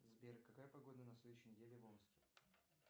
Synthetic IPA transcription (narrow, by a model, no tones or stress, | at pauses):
zbʲerkːɐkajəpɐɡo̞d̪ənɐfslʲd̪ʊɕːɪnʲɪdʲelʲɪvomˠskʲɪ